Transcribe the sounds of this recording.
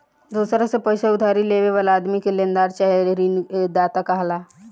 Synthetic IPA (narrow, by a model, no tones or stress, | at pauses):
d̪usɾasepəjseud̪ʱaɾileʋeʋəlad̪mikelend̪aɾt͡ʃaɦeɾɾind̪at̪akaɦla